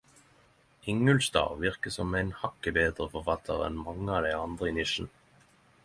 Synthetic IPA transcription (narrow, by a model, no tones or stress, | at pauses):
ʔɪŋəlsd̪ɑ̰ːʁʋɪʁkəsɔmæɪnhɑkəbeːd̪ʁəfɔʁfɑt̪ʰə̰ʁɛ̰nmɑŋəɑːd̪æɪɑnd̪ʁəɪnɪʃn̩